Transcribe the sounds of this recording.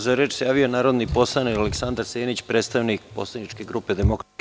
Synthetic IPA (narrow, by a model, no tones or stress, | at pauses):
zaɾeːt͡ʃsejaːʋionaːɾo̞d̪nipo̞slˠanikaleksand̪aɾseːnit͡ɕpɾet̪st̪aʋnik̚poslˠanit͡ʃke̞ɡɾuːpe̞d̪emok